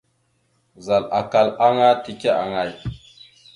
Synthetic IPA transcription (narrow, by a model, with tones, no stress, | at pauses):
za˨la˨ka˨la˦ŋa˦ti˨ke˦a̰˨ŋa˨j